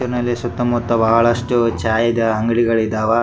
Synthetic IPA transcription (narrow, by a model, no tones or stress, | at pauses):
ɐɾnɐlesɐt̪ːɐmut̪ːɐbaːɐɭɐʂʈut͡ʃaːjɐd̪ɐɦɐŋɡɐɭiɡɐɭid̪aːʋɐ